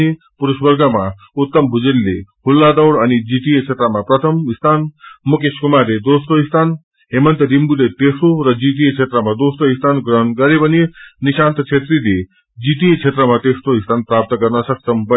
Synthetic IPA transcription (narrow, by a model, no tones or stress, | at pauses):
i | puɾusbəɾɡama | ut̪ːəmbʱud͡ʒelːeɦulːad̪əwɽɐnid͡ʒiʈ̪iet͡ʃʰet̪ɾəmapɾɐt̪ʰəmist̪ʰaːnmukeskumaɾed̪osʈoist̪ʰaːn | ɦemənt̪əɾimbulet̪esɾoɾəd͡ʒiʈ̪̬iet͡ʃʰet̪ɾəmad̪osʈoist̪ʰanɡɾəɦnɡɐɾibɐniniʃaːnt̪t͡ʃʰet̪ɾid̪e | d͡ʒiʈ̪iet͡ʃʰet̪ɾəmat̪esɾoist̪ʰanpɾaːp̚t̪əkɐɾnasɐksəmbɐ